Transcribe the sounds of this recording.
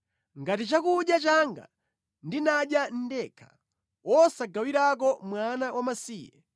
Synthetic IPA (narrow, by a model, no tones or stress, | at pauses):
ŋɡatit͡ʃakuɗjat͡ʃaŋɡa̰ | ndinaɗjan̩dɛkʰḁ | wɔsaɡawiɾak̬ɔmwanawʔamasiːjɛ̰